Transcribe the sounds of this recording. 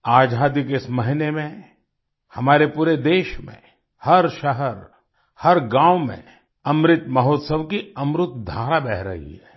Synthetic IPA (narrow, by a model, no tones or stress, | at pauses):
aːd͡ʒʱaːd̪ikeɪsmɐɦɪnemẽ | hɐmaːɾepuːɾed̪eːʃmḛ̃ | hɐɾʃəɦəɾ | hɐɾɡãːʋmḛ̃ | ɐmɾɪt̪mɐɦoːt̪səʋkiɐmɾʊt̪d̪ʱaːɾabɛɦɾɐ̰ɦḭɦɛː